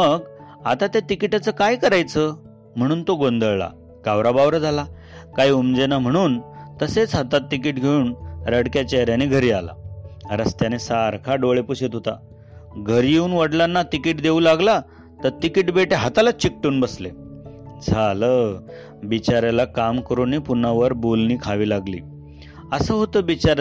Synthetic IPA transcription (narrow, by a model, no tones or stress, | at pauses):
məɡ | at̪at̪jat̪ikiʈat͡səkajkəɾajt͡sə | m̤əɽ̃uːnt̪oɡond̪əɭla̰ | ɡ̥aʋɾabaʋɾd͡zʱala | kaiumd͡zenam̤əɽ̃uːnt̪əset͡sɦat̪at̪ːikiːʈɡʱeuːnɾəɽkjat͡ɕeɦɾjaneɡʱəɾiːala̰ɾəst̪janesaɾkʰaɖoɭepuɕet̪ɦot̪a̰ | ɡʱəɾjeuːnʋəɽlanːat̪ikiːʈd̪eulaɡla | t̪əɾt̪ikiːʈbeʈeɦat̪alat͡ɕik̚ʈeːnbəsled͡zʱalə | bit͡ɕaɾjalakamkəɾuːnːiːpunaʋəɾbolniːkʰaʋiːlaɡlḭː | əsəːɦot̪əːbit͡ɕaɾ